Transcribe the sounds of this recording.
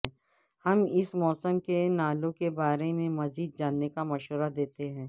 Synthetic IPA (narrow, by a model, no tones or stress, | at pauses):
hɐmɪsmɔːsəmkenaːlõkebaːɾemẽmɐziːd̪̚d͡ʒaːnːekamɐʃɦəɾad̪eːt̪eɦɛ̃ː